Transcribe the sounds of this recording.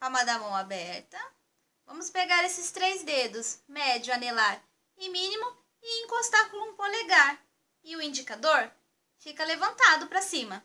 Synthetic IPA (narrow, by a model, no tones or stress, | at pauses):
amad̪ɐmɐ̃w̃abɛɾt̪ɐ | vɐ̃mʊspeɡaɾesɪst̪ɾejzd̪ed̪ʊsmɛd͡ʒʊanelaɾ | ɪmĩnimʊ | ɪẽŋkost̪akulũpoleɡaɾ | ɪʊĩd͡ʒikad̪oɾ | fikɐlevɐ̃nt̪ad̪ʊpɾɐsĩmɐ